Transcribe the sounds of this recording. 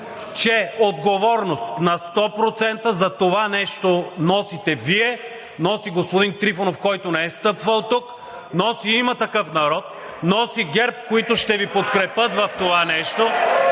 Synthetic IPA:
t͡ʃɛod̪ɡovɔɾnost̪nɐst̪ɔpɾot̪sɛnt̪əzɐt̪ovanɛʃt̪onɔsit̪ɛviɛ | nɔsiɡospod̪int̪ɾifonofkɔjt̪onɛɛst̪ɤpvɐlˠt̪uk | nɔsiimɐt̪ɐkɤfnɐɾɔt̪̚ | nɔsiɡɛɾp̚koit̪oʃt̪ɛvipot̪kɾɛpɤt̪vɐft̪ovanɛʃt̪o

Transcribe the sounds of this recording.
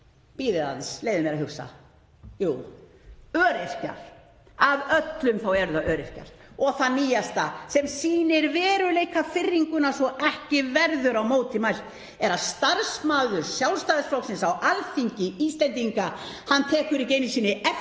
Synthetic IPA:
piːðɪðaðnsleːjðɪmɛɾaɦʏksa̰ | juː | œːɾer̥ca̰ɾ̥ | avœt̪lʏmθawɛɾðaʔœːɾɛr̥ca̰ɾ̥ɔɣθaniːjast̪asɛmsiːnɪɾvɛːɾʏleːjkafɪrːiŋkʏnasɔʔɛhcɪvɛɾðʏɾawmoːwt̪ɪmajl̥t̪ | ɛɾaðst̪aɾsmaðʏɾ̥sjawlst̪aːðɪsflowksɪnsawʔaðfiɲcɪist̪lɛnt̪̬iŋka | hanːt̪ʰɛːhkʏɾicejnɪsiːnɪɛ

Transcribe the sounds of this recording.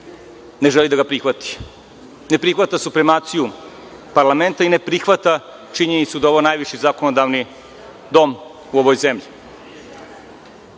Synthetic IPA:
ne̞ʒelid̪aɡapɾixʋat̪i̥ | ne̞pɾixʋat̪asupɾemat̪siju | paɾlament̪aine̞pɾixʋat̪a | t͡ʃiɲenit̪sud̪ao̞ʋonaːjʋiʃizako̞nod̪aʋni | d̪o̞m | uoʋojzemʎi

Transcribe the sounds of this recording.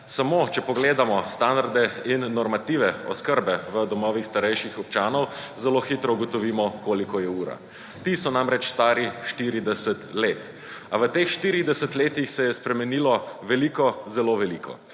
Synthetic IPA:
samot͡ʃɛpɔɡleːd̪amɔst̪and̪aɾd̪ɛinːɔɾmat̪iʋɛɔ̰skəɾbɛʋəd̪ɔmɔːʋixst̪aɾɛjʃixɔp̚t͡ʃaːnɔwzɛloxit̪ɾɔuɡɔt̪ɔʋiːmɔkoːlikɔjɛuːɾa̰ | t̪iːsɔnamɾɛt͡ʃst̪aːɾiʃt̪iɾid̪ɛsət̪leːt̪ | aʋət̪eːxʃt̪iːɾid̪ɛsət̪leːt̪ixsɛjɛspɾɛmɛniːlɔʋɛliːkɔzɛloʋɛliːkʰɔ̰

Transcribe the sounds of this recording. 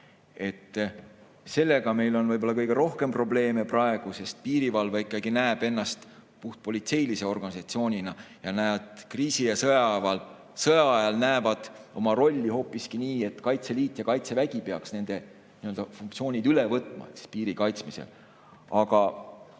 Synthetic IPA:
e̞t̪ː | se̞lːe̞ɡ̥ɑme̞jlo̞nvɤjbo̞lːɑkɤjɡ̥eɾo̞hke̞mpro̞ble̞ːmeprɑe̞ɡ̥use̞st̪̚piːɾivɑlvɑikːˑɑɡinæeb̥e̞nːɑst̪ | puht̪̚po̞lʲit̪se̞jlise̞o̞rɡ̥ɑnisɑt̪sio̞ːnʲinɑ | jɑnæːd̪̥kriːsijɑsɤɑɑvɑl | sɤɑɑjɑlnæevɑd̪̥o̞mɑɾo̞lʲːiho̞ːpːˑiskiniːe̞t̪kɑjt̪se̞liːt̪ːˑjɑkɑjt̪se̞væɡ̥ipeɑksne̞nd̪̥e̞ | niø̞ld̪ɑfuŋkt̪sio̞ːnʲid̪̥yle̞vɤt̪ˑmɑ̰esi̥spiːɾikɑjt̪smisḛl | ɑɡ̥ɑ

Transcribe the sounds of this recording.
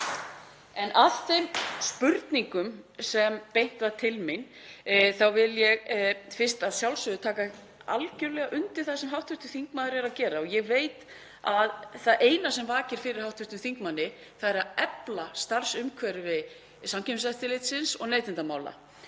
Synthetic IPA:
ɛnʔaðθejmspʏɾt̪niŋkʏmsɛmpejn̥t̪at̪ʰɪlmin | θawvɪljɛɣfɪr̥st̪aðsjawlsʏðʏt̪ʰaːka | a̰lcʏɾlɛɣaʔʏnt̪ɪɾ̥θaðsɛmɦawht̪vʏht̪ʏθiŋkmaːðʏɾɛɾaðcɛːɾaɔɣjɛɣveːjt̪ | aðθaðʔeːjnasɛmvaːcɪɾ̥fɪɾɪɾ̥hawht̪vʏht̪ʏmθiŋkmanːɪθaðɛɾaðɛplast̪ar̥sʏmkʰvɛːɾɪvɪð | samcʰɛmɪsɛht̪ɪlɪjt̪sɪnsɔɣneːjt̪ɪnt̪amaːwla̰

